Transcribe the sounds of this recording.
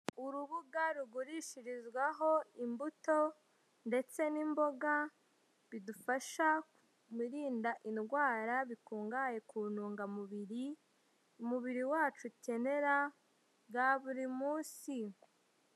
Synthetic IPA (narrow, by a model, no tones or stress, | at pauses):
uɾuβuɡaɾuɡuɾiʃiɾizɡwaɦo̞imbuto̞ | nde̞t͡se̞nimbo̞ɡa | βidufaʃa | miɾiːndaʔinɡwaːɾaβikuːŋɡaːje̞kunuːŋɡamuβiɾi | umuβiɾiwaːt͡ʃuce̞ne̞ɾa | ɡaβuɾimuːsi